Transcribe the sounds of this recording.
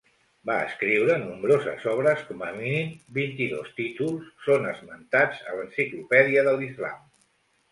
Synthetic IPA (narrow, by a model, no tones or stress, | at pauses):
baə̰skɾiwɾənumbɾozə̰zɔβ̞ɾəskɔməminimbint̪iðo̰st̪it̪ulˠsːonəzmənt̪ad͡zə̰lənsiklupɛðiəðəlizla̰m